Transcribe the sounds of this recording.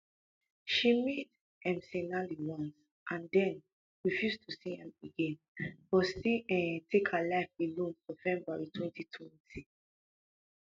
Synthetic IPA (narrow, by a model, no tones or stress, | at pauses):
ʃimet | ɛ̃msenaliwɔ̃ns | ʔãndɛ̃n | ɹifjustʰusihɛ̃meɡẽn | b̥ɔsiɛtʰekhalaɪfelõnnovɛ̃mbaɹitʰwɛ̃ntʰitʰwɛ̃ntʰi